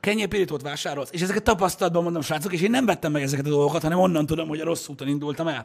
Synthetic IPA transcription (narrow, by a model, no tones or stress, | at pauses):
kɛɲːɛːpiɾit̪oːt̪ʋaːʃaːɾo̞lseːʃɛzɛkɛt̪t̪ːɒpɒst̪ɒlɒd̪̚bɒmot̪ɔmʃaːt̪sokeːʃeːnːɛɱvɛt̪ːɛmːɛɡɛzɛkɛt̪ɒd̪o̞lɡo̞kɒt̪hɒnɛmo̞nːɒnt̪ud̪o̞mho̞ɟɒɾo̞sːuːt̪onind̪ult̪ɒmɛl